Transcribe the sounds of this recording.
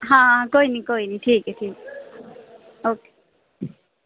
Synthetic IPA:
ɦãkoinikoiniʈʰiːkʈʰiːk | oke̥

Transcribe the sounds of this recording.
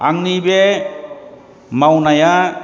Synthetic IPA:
aŋnibe | mawnaja

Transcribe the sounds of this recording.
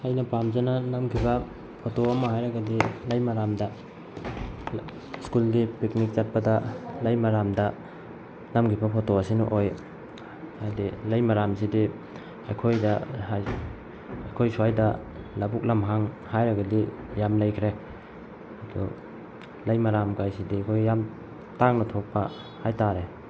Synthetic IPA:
ajnɐpamzananɐmkʰibɐ | pʰotoɐmɐhajɾɐɡɐdilɐjmaɾamdɐ | skuldipik̚nik̚t͡ʃat̚pɐdɐlɐjmaɾamdɐ | nɐmkʰibɐpʰotoɐsinṵʔoj | hajdilajmaɾamsidi | ajkʰojdɐhaj | ɐjkʰojsuajdɐ | labuk̚lamɦaŋ | hajɾɐɡadi | jamlajkʰɾe | ɐdṵ | lajmaɾamkajsidijkʰojːam | taŋnɐtʰok̚pa | hajtaɾe

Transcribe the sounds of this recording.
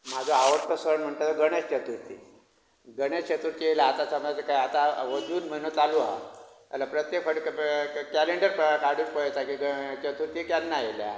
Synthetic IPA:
m̤ad͡zʱoaʋəɾt̪əsʋəɾɳm̤əɳt̪at̪oɡəɽ̃est͡ɕət̪uɾt̪ʰḭ | ɡəɽ̃est͡ɕət̪uɾt̪ijelaːt̪at͡samt̪əkajat̪aʋəd͡zuːnm̤ənət͡s̪alua̰alapɾət̪jekfəɽkkæleɳɖəɾpkaɽuːnpəjet̪akiɡət͡ɕət̪uɾt̪iːkjanːajelja̰

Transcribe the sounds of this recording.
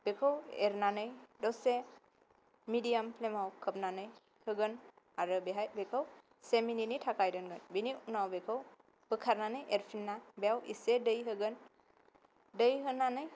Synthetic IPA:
b̥ekʰəweɾnanɯjdɔse | midijampʰlemawkʰəp̚nanɯj | hɯɡɯn | aɾɯbeɦajbekʰəw | semininitʰakajdɯnɡɯnbiniunawbekʰəw | b̥ɯkʰaɾnanɯjʔeɾpʰinːabejawḭsedəjɦɯɡɯn | dəjɦɯnanɯj

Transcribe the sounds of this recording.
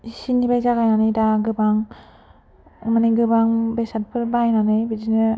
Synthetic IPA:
sinibajzaɡajnanɯjdaɡɯbaŋ | maniɡɯbaŋbesat̚pʰɯɾbajnanɯjbidinɯ

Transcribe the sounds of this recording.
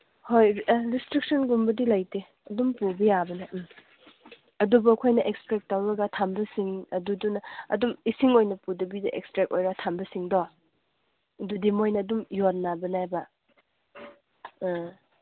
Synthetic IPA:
hojɾistɾik̚sɐnɡumbɐdilajte | ɐdumpubijabɐnɐ | ɐdubɐːkʰojnɐʔekspɾek̚tawɾɐɡɐtʰambɐsiŋɐdudunɐɐ̰dumisiŋojnɐpudɐbidɐʔḛkspɾek̚ojɾatʰambɐsiŋdɔ | dudimojnɐːdumjot̚nːabɐnajbɐ

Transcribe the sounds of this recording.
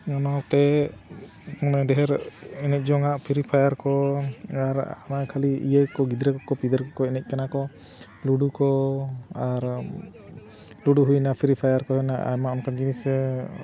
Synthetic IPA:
ɲɔnɔk̚t̪ɛ | ɔnɛdɛɦɛɾɛnɛc̚ˀd͡ʒɔŋaʔpʰiɾipʰajaɾkɔaɾa̰nakʰaliḭjəjkɔɡid̪ɾɛkɔkːɔpid̪əɾkɔkɔɛnɛc̪̚ˀkanakɔ | luɖukɔaɾ | luɖuɦujnapʰiɾipʰajaɾkɔhɔnaʔa̰jmaɔnkanɡinisɛ

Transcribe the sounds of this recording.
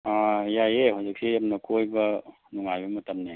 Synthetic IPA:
ajajeɦawzik̚sijamnɐkʰojbɐ | nuŋajbɐmɐtɐmni

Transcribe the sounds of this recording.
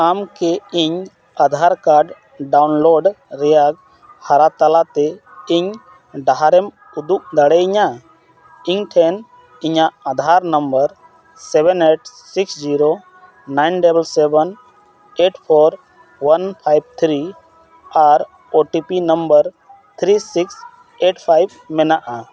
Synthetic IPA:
amkeiɲ | ad̪ʱaɾkaɾɖ | ɖawnloɖɾɛjaɡ̚ | haɾat̪alat̪e | iɲ | ɖaɦaɾɛm | ud̪uk̚d̪əɽɛɲa | iɲʈʰɛn | iɲaːd̪ʱaɾnəmbəɾ | sɛbɛneʈ̚siksd͡ʒiɾo | najnɖɛbəlsɛbən | eʈpʰɔɾ | wənpʰajb̚t̪ʰɾi | aɾ | oʈipinəmbəɾ | t̪ʰɾisiks | eʈpʰajb | mɛnaʔa

